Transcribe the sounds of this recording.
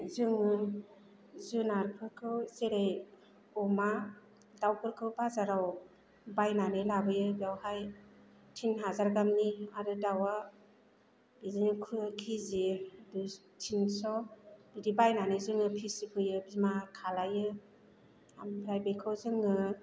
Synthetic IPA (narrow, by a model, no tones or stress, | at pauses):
zɯŋɯ | zɯnaɾpʰɯɾkʰɯwzeɾej | ɔma | dawkʰɯɾkʰɯwbazaɾaw | bajnanɯlabɯjɯbiawhaj | tʰinɦazaɾɡamniaɾɯdawa | b̥iziŋɯkʰɯkʰizidu | tʰinsɔb̥idibajnanɯjzɯŋɯpʰisikʰɯjɯbizmakʰalajɯ | ambɾajbekʰɯwzɯŋɯ